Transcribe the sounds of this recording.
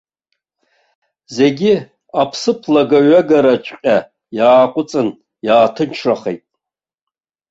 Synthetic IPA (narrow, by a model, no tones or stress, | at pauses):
ze̞ɡʲi | apʰsɨpʰlaɡaɥaɡaɾat͡ʃʷʰʼqʲʼa | jaːqʷʼʊt͡sʼɨn | jaːtʰɨnt͡ʃʰraχḛjtʼ